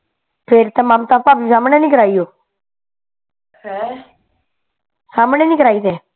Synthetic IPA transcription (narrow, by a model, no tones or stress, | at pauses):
pʰɪɾt̪aːmamt̪aːpaːpisaːmɽẽːnĩːkəɾaːijoː | hɛ | saːmnẽːnĩːkəɾaːiːt̪eː